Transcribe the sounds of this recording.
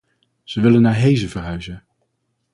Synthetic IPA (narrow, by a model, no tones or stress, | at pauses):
z̥əʋɪlənːaːɹɦejzəvərɦœɥzə